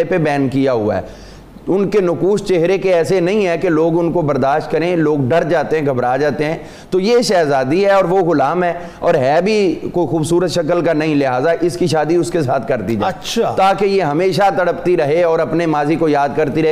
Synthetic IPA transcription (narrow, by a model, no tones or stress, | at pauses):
pebɛːnkijaɦʊa̰ɦɛ̰ | ʊnkenʊkuːst͡ʃeɦɾekeɛːsenɐɦĩɦɛkeloːɡʊnkobɐɾd̪aːʃt̪̚kɐɾẽloːɡɖɐɾd͡ʒaːt̪eɦɛ̃ɡʱɐbɾaːd͡ʒaːt̪eɦɛ̃ː | t̪ojeʃɛːzaːd̪iɦɛɔːɾʋoɣʊlaːmɦɛː | ɔːɾɦɛːbʱikoːixuːbsuːɾət̪ʃɐkəlkanɐɦĩlɪɦaːzaʔɪskiʃaːd̪iʊskesaːt̪ʰkɐɾt̪id͡ʒaɐʃʰat̪aːkejeɦɐmeːʃat̪ɐɽəpt̪iɾɐɦeɔːɾɐpnemaːzikojaːd̪̚kɐɾt̪iɾɐe